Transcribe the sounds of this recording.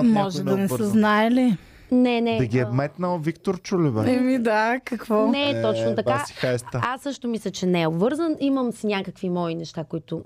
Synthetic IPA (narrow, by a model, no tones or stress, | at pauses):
mɔʒɛd̪d̪ɐnɛssəznaɛli | nɛnɛɐɡʲiɛbmɛt̪nəlˠvikt̪oɾt͡ʃulibɛɛmid̪akɐkvɔnɛt̪ɔt͡ʃnot̪ɐkasi̥xajst̪əasːɤʃt̪omislʲɛt͡ʃɛnɛɛobvɤɾzəniməmsnʲakəkvimɔinɛʃt̪akoit̪ʊ